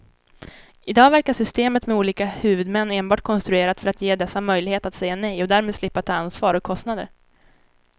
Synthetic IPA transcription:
ɪd̪ɑːɡvæɾkaʂʏst̪eːmət̪mɛuːliːkahʉ̟ːvɵd̪mɛnːeːnbɑːʈ̚kʰɔnst̪ɾɵeːɾat̪fœɾat̪jeːd̪ɛsːamœjlɪheːt̪at̪sɛjːanɛjɔd̪æːɾmeːd̪slɪpːat̪ʰɑːansvɑːɾɔkʰːɔst̪nad̪ə̰ɾ

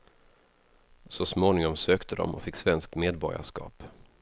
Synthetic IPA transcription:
sɔsmoːnɪŋɔmsøːkt̪ʰəd̪ɔ̰mʔɔ̰fɪkːsvɛnsk̚t̪meːd̪bɔɾɪa̰ʂkɑ̰ːp

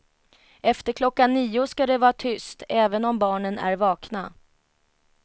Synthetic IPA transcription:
ɛft̪əɾkʰlɔkːanːiːʊskad̪ɛvɑːat̪ʰʏst̪ɛːvənɔmbɑːɳənæ̰ɾvɑːkna

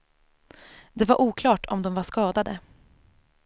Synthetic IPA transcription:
d̪ɛvaɾʔuːkʰlɑːʈʰɔmd̪ɔmvaʂkɑːd̪ad̪ə

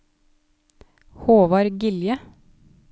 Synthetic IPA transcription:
hoːʋɑɾɡɪljə

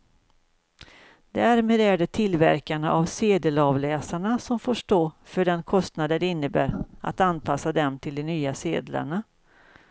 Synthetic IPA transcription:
d̪̥ææɾmɛːd̪æɖət̪ʰɪlvæ̰ɾkaɳəʔavseːd̪əlɑvlɛːsaɳasɔmfoʂʈoːfœɖɛnkʰɔst̪nad̪əɖɛɪnːəbæ̰ːɾa̰t̪anpʰasːad̪ɛmt̪ʰɪld̪ɛnyːasḛːd̪la̰ɳa

